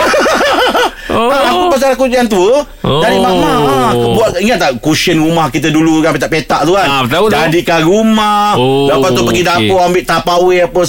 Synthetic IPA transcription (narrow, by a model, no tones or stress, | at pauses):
aakupasaɾakuiant̪uə | daɾimamaabuat̪iŋat̪̚ːakusənrumahkit̪̬ədulukapet̪aʔpet̪aʔt̪uant̪aud͡ʒadiʔkaɾumahdapat̪upəɡidapɔambɪʔt̪apaweapə